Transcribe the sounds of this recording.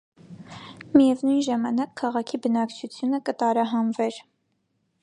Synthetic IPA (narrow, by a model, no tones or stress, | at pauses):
mijɛvnujnʒɑmɑnɑkʰːɑʁɑkʰibənɑkt͡ʃʰut͡sʰjunəkət̪ɑɾɑɦɑnvɛɾ